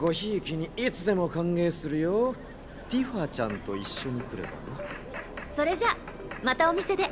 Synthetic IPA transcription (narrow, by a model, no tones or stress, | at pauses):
ɡo̞çiːkʲiɲ̟iit͡sɨd̪e̞mo̞kãŋɡe̞ːsɨɾɯ̟jo̞ː | t̪ʲiɸat͡ɕãnt̪o̞iɕːo̞ɲ̟ikɯ̟ɾɯ̰ba̰na | so̞ɾe̞ʑa | mat̪ao̞mʲise̞d̪e̞